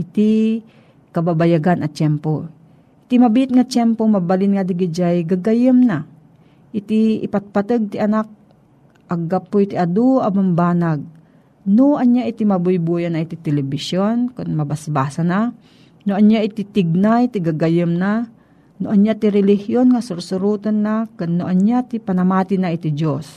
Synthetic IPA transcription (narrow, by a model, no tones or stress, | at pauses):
ʔɪt̪i | kɐbabajaɡanɐt͡ʃɛmpo | ɪt̪imɐbɪɪt̪̚ŋat͡ʃɛmpomɐbɐlɪnŋad̪ɪɡɪd͡ʒajɡaɡajəmna | ʔɪt̪iɪ̰pat̪̚pat̪əɡ̚t̪ɪʔɐnak̚ | ʔɐɡapːoit̪ɪʔɐd̪oɐmambaːnaɡ̚ | noɐnjaʔɪt̪imɐbʊjbujanaʔit̪it̪ɛlɛbɪsjonkʊnmɐbasbaːsana | noʔɐnjaʔɪt̪ɪt̪ɪɡ̚najt̪ɪɡaɡajəmna | noʔɐnjat̪ɪɾɛlɪhjonŋasʊɾsʊɾut̪onːakʊnːoʔɐnɲat̪ɪpɐnɐmaːt̪ɪnaʔɪt̪ɪd͡ʒos